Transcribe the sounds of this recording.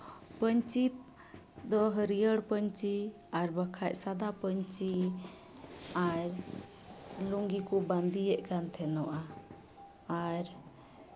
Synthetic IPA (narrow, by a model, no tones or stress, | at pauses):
pəɲt͡ʃip̚ | d̪ɔɦəɾijəɽpəɲt͡ʃi | aɾbəkʰacsad̪apəɲt͡ʃi | aɾ | luŋɡikɔband̪ijɛʔkant̪ʰɛnɔʔa | aɾ